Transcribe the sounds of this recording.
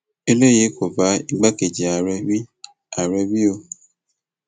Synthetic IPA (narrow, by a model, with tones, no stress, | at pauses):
e˧le˦je˨˦ko˨va˨˦i˦ɡ͡ba˦ke˨d͡ʒi˨a˨ɾɛ˧wi˦ | a˨ɾɛ˧wi˦o˧˨